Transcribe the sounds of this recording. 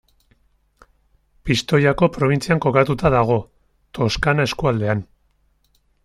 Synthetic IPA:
pist̪o̞jako̞pɾo̞β̞int͡siaŋko̞kat̪ut̪aðaɣ̞o̞ | t̪o̞skanae̞skuald̪e̞an

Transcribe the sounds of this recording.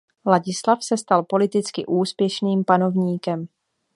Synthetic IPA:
laɟɪslafsɛst̪alpo̞lɪt̪ɪt͡skɪʔuːspjɛʃniːmpano̞vɲiːkɛm

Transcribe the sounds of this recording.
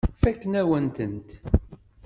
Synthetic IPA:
fækːənæwənt̪ənt̪

